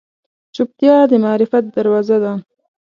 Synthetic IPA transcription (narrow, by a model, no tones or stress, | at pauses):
t͡ʃʊp̚t̪jɑd̪əmɑːɾɪfat̪̚d̪aɾwɑzad̪a